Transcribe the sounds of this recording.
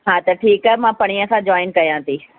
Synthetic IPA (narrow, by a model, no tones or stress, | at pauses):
ɦãːt̪ɐʈʰiːkɐmãːpɐɽ̃iə̃sãd͡ʑɔːɪnkɐjãːt̪iː